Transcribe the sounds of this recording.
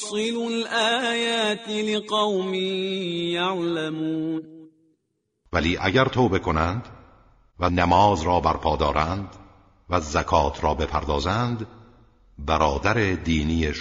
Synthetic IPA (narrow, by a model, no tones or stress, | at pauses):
sˤɨlʊlʔaːjaːt̪lɪqɑwmijaʕlamuːn | væliːʔæɟæɾt̪ʰoːbe̞kʰo̞nænd̪ | vænæmɒːzɾɒːbæɾpʰɒːd̪ɒːɾʔænd̪ | væzækʰɒːt̪ʰɾɒːbe̞pʰæ̰ɾd̪ɒːzænd̪ | bæɾɒːd̪æɾed̪iːniːeʃ